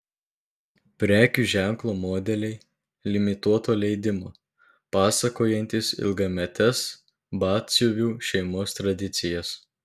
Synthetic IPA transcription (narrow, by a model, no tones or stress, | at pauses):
pʲɾʲæːkʲuːʒʲæˑŋklˠoːmoːd̪ʲɛlʲɛɪ | lʲɪmʲɪt̪uɔt̪oːlʲɛɪd̪ʲɪmo̰ː | pɑːsɐkoːjɛnʲt̪ʲɪsɪ̰lˠɡɐmʲɛt̪ʲɛs | bɑːt̪ʲsʲuʋʲuːʃʲɛɪmoːst̪ɾɐd̪ʲɪt̪sʲɪjɛs